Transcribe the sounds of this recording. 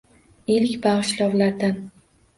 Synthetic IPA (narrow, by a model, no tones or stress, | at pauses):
elkʲbaʁɨʃlɒwlaɾd̪an